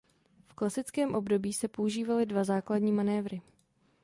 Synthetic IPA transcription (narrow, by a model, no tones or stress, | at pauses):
fklasɪt͡skɛːmʔo̞bdo̞biːsɛpo̞uʒiːvalɪdvazaːkladɲiːmanɛːvɾɪ